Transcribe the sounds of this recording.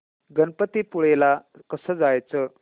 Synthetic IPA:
ɡənpət̪ipuɭelakəsəːd͡zajt͡sə

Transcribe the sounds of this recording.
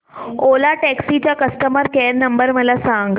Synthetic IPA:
olaʈɛksit͡ɕjakəsʈəməɾkɛɾnəmbəɾməlasãŋɡ

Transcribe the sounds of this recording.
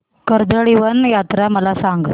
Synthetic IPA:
kəɾd̪əɭiʋɐnjat̪ɾaməlasaŋɡ

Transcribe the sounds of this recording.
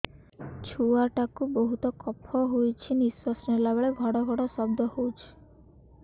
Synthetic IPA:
t͡ʃʰuaʈakubɔɦut̪ɔkɔpʰɔɦojt͡ʃʰiniswɔsnɔlabeɭeɡʱɔɽɔɡʱɔɽɔsɔbd̪ʱɔhout͡ʃʰi̥

